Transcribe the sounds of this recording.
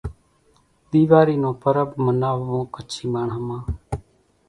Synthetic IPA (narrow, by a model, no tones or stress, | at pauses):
ɗ̪iːʋaːɾiːnõːpəɾəbmənaːʋːõːkət͡ʃʰiːmaːɳɦəmãː